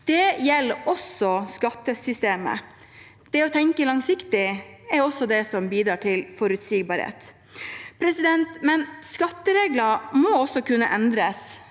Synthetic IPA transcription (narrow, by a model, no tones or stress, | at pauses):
d̪̥ɛjɛlːʔɔsɔskɑt̪ːəsʏst̪eːmə̰ | d̪̥ɛɔt̪ʰɛŋkəlɑŋsɪkt̪ɪɛɾɔsːɔd̪ɛsɔmbiːd̪ɾɑːʈʰɪlfɔɾʉt̪siːɡbɑɾhḛːt̪ | pʰɾɛsɪd̪ɛnt̪mɛnskɑt̪ːəɾeːɡləɾmɔɔsɔkʉnːəʔɛnd̪ɾəs